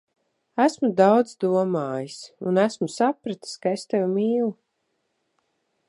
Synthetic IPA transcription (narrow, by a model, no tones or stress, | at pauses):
æsmud̪awd̪zd̪uɔmaːjisunæsmusapɾat̪i̥skaest̪ewmiːlˠu